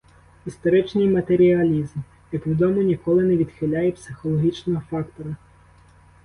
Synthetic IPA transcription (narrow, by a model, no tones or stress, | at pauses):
ist̪ɔɾɪt͡ʃnɪjmɐt̪eɾʲiɐlʲizm | jɐkʋʲid̪ɔmʊnʲikɔlˠɪnɛʋʲid̪xɪlʲajɛpsɪxɔlˠɔɦʲit͡ʃnɔɦɔfɑkt̪ɔɾɐ